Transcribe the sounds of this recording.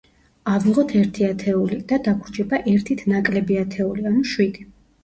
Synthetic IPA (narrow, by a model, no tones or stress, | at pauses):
aviʁɔt̪ʰɛɾt̪ʰiat̪ʰɛulid̪̥ad̪akʰɾd͡ʒɛbaʔɛɾt̪ʰit̪ʰnakʼlɛbiat̪ʰɛulianuʃwid̪i